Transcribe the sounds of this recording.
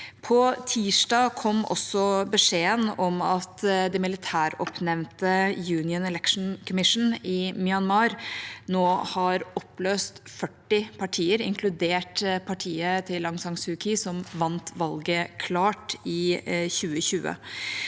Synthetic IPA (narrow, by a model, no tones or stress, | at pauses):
pʰɔt̪ʰiːʂɖɑːkʰɔmːɔ̰sːɔbəʂeːənɔmɑt̪d̪ɛmɪlɪt̪ʰæːɾɔ̰pnɛʋnt̪əjʉːnɪənɛlɛkʂn̩kʰɔmɪʂn̩ɪmɪɑnmɑːɾnoːhɑɾɔpløːst̪fœʈːɪpʰɑʈʰiːəɾɪ̰ŋkʰlʉd̪eːʈpʰɑʈʰiːət̪ʰɪlːɑŋsɑŋsʉːkʰɪsɔmʋɑnt̪ʋɑlɡəkʰlɑːʈɪçʉːəçʉːə̰